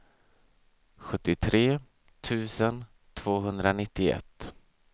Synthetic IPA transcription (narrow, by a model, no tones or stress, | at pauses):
ɧɵt̪ːɪt̪ʰɾeː | t̪ʰʉ̟ːsən | t̪ʰv̥oːɦɵnd̪ɾanɪt̪ːɪɛ̰t̪ː